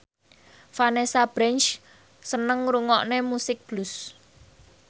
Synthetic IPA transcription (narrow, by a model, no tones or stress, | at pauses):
fanesab̥ɾɛnt͡ʃ | sənəŋɾuŋɔʔnemusɪk̚b̥lus